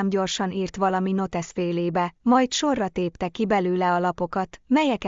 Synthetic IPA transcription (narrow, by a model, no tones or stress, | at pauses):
mɟo̞rʃɒniːrt̪ʋɒlɒmino̞t̪ɛsfeːleːbɛmɒjt̪ʃo̞rːɒt̪eːpt̪ɛkibɛlyːlɛɒlɒpo̞kɒt̪mɛjɛk